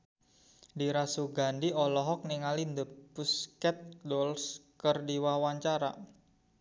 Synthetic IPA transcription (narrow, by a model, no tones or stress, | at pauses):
diɾasuɡandiɔlɔɦɔk̚niŋalind̪əpuskɛt̪̚dɔlskərdiwawaɲt͡ʃaɾa̰